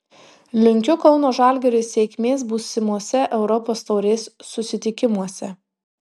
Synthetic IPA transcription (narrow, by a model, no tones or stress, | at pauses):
lʲʊŋʲkʲʊkɒʊnoːʒɑˑlʲɡʲɛɾʲʊsʲɛːkʲmʲeːsbuːsʲɪmuɔsʲɛʔɛʊɾɔpoːst̪ɐʊɾʲeːsːʊsʲɪt̪ʲɪkʲɪmuɔsʲɛ